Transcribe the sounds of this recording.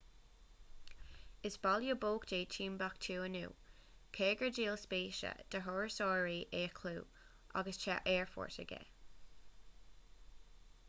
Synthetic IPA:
ɪsb̥ɑljuboːkdeːt͡ʃʰiːmbakt̪ʰuːənṵː | kʰeːɡəd͡ʒiːlspiːʃə̰d̪̥əɦɔɹəsɔːɹiːʔeːkʰluː | ʔa̰ɡəst͡ʃʰa̰ʔɛːɹfɔ̰ːɹtə̰ɡɛ̰

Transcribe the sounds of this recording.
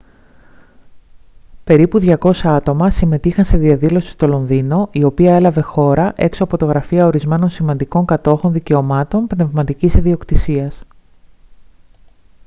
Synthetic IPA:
pe̞ɾipuðʝɐko̞sɐɐt̪o̞mɐsime̞t̪ixɐnse̞ðiɐðilo̞si̥st̪o̞lo̞nðino̞ʔio̞piɐe̞lɐve̞xo̞ɾɐʔe̞ksoɐpo̞t̪oɣɾɐfiɐo̞ɾizme̞no̞nsimɐnd̪iko̞ŋkɐt̪o̞xo̞nðice̞omɐt̪o̞npne̞vmɐt̪icisiðio̞kt̪isiɐs

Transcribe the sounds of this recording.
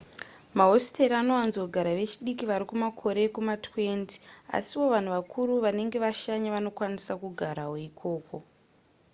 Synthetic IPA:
maɦo̞si̥te̞ɾiano̞anzo̞ɡʱaɾaʋe̞t͡ʃiɗikiʋaɾikumakʰo̞ɾe̞kumatʰwe̞nti̥a̰siwo̞ʋan̤uʋakʰuɾuʋane̞ŋɡe̞ʋaʃaɲaʋano̞kwanisakuɡʱaɾaɦoikʰo̞ːko̞

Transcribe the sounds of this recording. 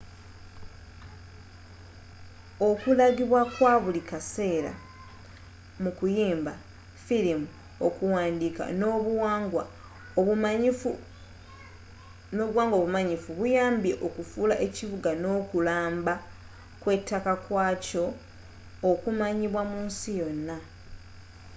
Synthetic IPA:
okulaɡiβwakwaβulikase̞ːɾa̰ | mukujiːmba | filimu | okuwaːndika̰no̞βaŋɡwa | no̞ːβuɣwaːŋɡoβumaɲifuβujaːmbje̞ʔo̞kufuːlaʔe̞ciβuɡano̞ːkulaːmba | kwe̞tːakakwaːco̞ː | kumaɲiβwamuːnsijo̞nːa

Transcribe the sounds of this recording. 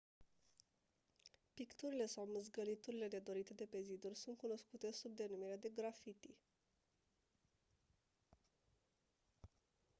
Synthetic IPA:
pikt̪uɾile̞sawmɨzɡəlit̪uɾile̞ne̞d̪o̞ɾit̪e̞d̪e̞pe̞zid̪urʲsunt̪̚kuno̞skut̪e̞sub̚d̪e̞numiɾead̪e̞ɡɾafit̪i

